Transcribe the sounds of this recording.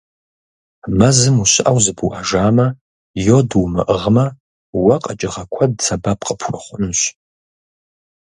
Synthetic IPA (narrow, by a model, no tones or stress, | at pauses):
mɐzɨmuɕɪʔawzɨbuʔaʒaːmɐ | joduwmɨ̰ʔəʁmɐ | wɐqʼat͡ʃʼɪʁɐkʷʰɐd̚t͡sʰabapʰʼqʼəpʰrɨχʷʊnɕʷ